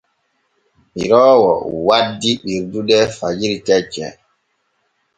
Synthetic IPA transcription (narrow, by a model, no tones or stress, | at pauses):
miɾɔːwɔ̰wadːiɓiɾduɗɛfad͡ʒiɾitɛt͡ʃːɛ̰